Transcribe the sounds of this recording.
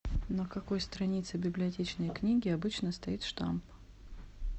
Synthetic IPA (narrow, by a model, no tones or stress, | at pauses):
nəkɐko̞jst̪ɾɐnʲit̪sɨbʲɪblʲɪɐtʲet͡ɕnəjknʲiɡʲɪɐbɨt͡ɕnəst̪ɐit̪ʂt̪a̰mp